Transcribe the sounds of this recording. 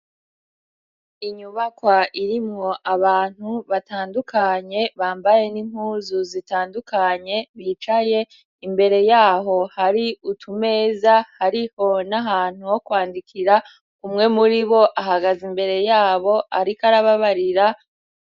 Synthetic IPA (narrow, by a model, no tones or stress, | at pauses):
iɲuβakwaʔiɾimŋo̞ʔaβaːn̥huβataːndukʰaɲe̞βaːmbaje̞nim̥huːzuzitaːndukaɲe̞βit͡ʃaje̞ | imbe̞ɾe̞jaːɦo̞haɾiutʰume̞ːzahaɾiho̞naɦaːn̥uwo̞kwaːndikʰiɾa | kumŋe̞muɾiβo̞ʔaɦaɡazimbe̞ɾe̞jaːβo̞ʔaɾikaɾaβaβaɾiɾa